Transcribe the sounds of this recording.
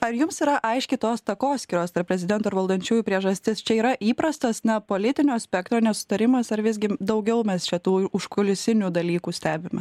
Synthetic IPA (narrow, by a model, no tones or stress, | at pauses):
ɐɾjʊmsiːɾɐʔɐɪʃʲkʲɪt̪oːst̪ɐkoːsʲkʲiːɾoːst̪ɐɾpʲɾʲɛzʲɪd̪ʲɛnt̪uɐɾʋɐlˠd̪ɐnʲt͡ʃʲuːjuːpʲɾʲiɛʒɐsʲt̪ʲɪst͡ʃʲɛiːɾɐʔiːpɾɐst̪ɐsnɐpoːlʲɪt̪ʲɪnʲoːsʲpʲɛk̚t̪ɾoːnʲɛsʊ̥t̪ɐɾʲɪmɐsɐɾʋʲɪzʲɡʲɪd̪ɐʊɡʲɛʊmʲɛst͡ʃʲɛt̪uːʊʃkʊlʲɪsʲɪnʲuːd̪ɐlʲiːkuːsʲt̪ʲæːbʲɪmʲɛ